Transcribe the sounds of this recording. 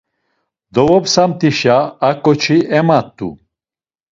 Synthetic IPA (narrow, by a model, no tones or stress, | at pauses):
d̪ɔvɔpsamt̪ʼiʃaːkʼɔt͡ʃʰiʔɛmat̪ʼːṵ